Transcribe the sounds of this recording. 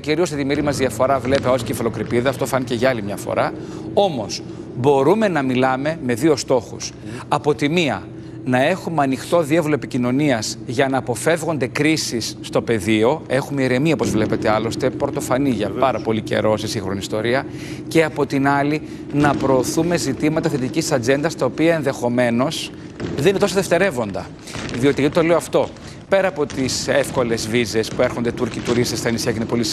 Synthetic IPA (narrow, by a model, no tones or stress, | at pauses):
ciɾiost̪et̪imeɾimɐzðiɐfo̞ɾɐvle̞peosi̥cefɐlo̞kɾipiðɐft̪o̞fɐniceʝɐɐlimɲɐfo̰ɾɐ | o̞mo̞s | bo̞ɾume̞nɐmilɐme̞me̞ðio̞st̪o̞xus | ɐpo̞t̪imiɐ̰ | nɐe̞xumeɐnixt̪o̞ðievloepicino̞niɐzʝɐnɐːpo̞fe̞vɣo̞nd̪e̞kɾisisːt̪o̞pe̞ðio̞e̞xumeiɾe̞miɐopozvle̞pe̞t̪e̞ɐlo̞st̪e̞pɾot̪o̞fɐniʝɐɐɾɐpo̞lice̞̰ɾo̞sesĩŋxɾo̞niːst̪o̞ɾiɐ | ce̞ɐpo̞t̪inɐli | nɐpɾo̞ːθume̞zit̪imɐt̪ɐθe̞t̪icissɐd͡ze̞nd̪ɐst̪ɐopiɐenðe̞xo̞me̞no̞s | ðeninet̪o̞soðeft̪e̞ɾe̞vo̞nd̪ɐ | ðio̞t̪iɣɐt̪it̪o̞le̞oɐft̪o̞ | pe̞ɾɐːpo̞t̪isefko̞le̞zvize̞spueɾxo̞nd̪e̞t̪uɾcit̪uɾist̪esθɐnisçɐcinepolis